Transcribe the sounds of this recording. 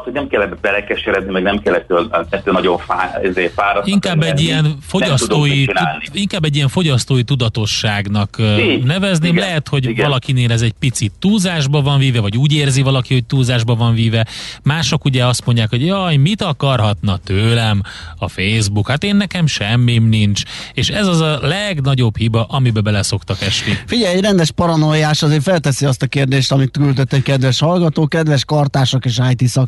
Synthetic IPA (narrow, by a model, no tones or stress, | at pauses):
t̪hoɟnɛmkɛlːɛbɛlɛkɛʃeːɾɛznimɛɡnɛmkɛlːɛt̪ːøːlɛt̪ːøːlnɒɟoɱfaːizeːfaːɾɒiŋkaːbːɛɟːiɛnfo̞nɟɒst̪utd̪oːit͡ʃinːlniiŋkaːbːɛɟːijɛɱfo̞ɟɒst̪oːjit̪ud̪ɒt̪o̞ʃːaːɡnɒkːnɛvɛzneːmlɛɦɛt̪ho̞ɟɡvɒlɒkineːlɛzɛɟpit̪sit̪ːuːzaːʒbɒvɒɱviːvɛvɒɟuːɟeːrzivɒlɒkiho̞c̚t̪uːzaːʒbɒvɒɱviːvɛmaːʃokuɟɛɒst̪mo̞ɲɟaːkho̞ɟjɒjmit̪ɒkɒrɦɒt̪nɒt̪øːlɛmɒfejzbukhat̪eːnːɛkɛmʃɛmːimnint͡ʃeːʃɛzɒzɒlɛɡnɒɟo̞bhibɒʔɒmibɛbɛlɛso̞kt̪ɒkɛʃnifiɟɛjɛrɛnd̪ɛʃpɒɾɒnojaːʃɒzeːrfɛlt̪ɛsiɒst̪ɒkeːrd̪eːʃt̪ɒmit̪kylt̪øt̪ːɛckɛd̪ʋɛʃhɒlɡɒt̪oːkɛd̪vɛʃkɒrt̪aːʃokeːʃajt̪isɒk